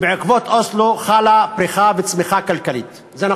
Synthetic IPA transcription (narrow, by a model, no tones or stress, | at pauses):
beʕekvot̪ʔosloχalapɾixavet͡smixakalkaliːt̪ | zena